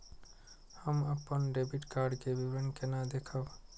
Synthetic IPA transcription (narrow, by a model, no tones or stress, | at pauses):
hɐmɐpːənɖeːbiʈkaːɾɖkeʋiʋənkenaːd̪eːkʰəʋ